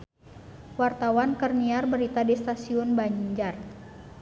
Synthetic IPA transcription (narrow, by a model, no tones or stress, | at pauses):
wart̪awankərniarbəɾit̪adist̪asiʊnbaɲɲd͡ʒar